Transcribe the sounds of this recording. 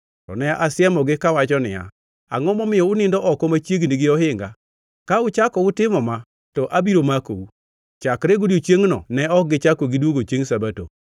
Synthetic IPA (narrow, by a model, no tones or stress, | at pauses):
tɔ̰nɛaʔasɪɛmɔɡɪkawat͡ʃɔnɪ̰ja̰ | a̰ŋɔmɔmɪjɔʊnɪndɔʔɔkɔmat͡ʃjeɡniɡɪɔhɪŋɡa | kaʊt͡ʃakɔʊtɪmɔma | tɔʔabiɾomako̰u | t͡ʃakɾeɡodot͡ʃjeŋnɔ̰nɛɔk̚ɡɪt͡ʃakoɡɪdwoɡot͡ʃeŋsabato̰